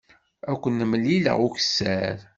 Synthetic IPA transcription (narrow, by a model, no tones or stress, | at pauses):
ækʷːənːəmːlːilə̰ʁuçə̥sːæɾ